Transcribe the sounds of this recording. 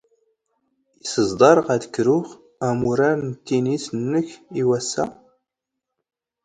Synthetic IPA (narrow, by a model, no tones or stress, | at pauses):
isəzd̪ˤɑɾˤəʁæd̪kːɾʊχ | æmuɾaɾnt̪ːinisənːəçiwæsːæ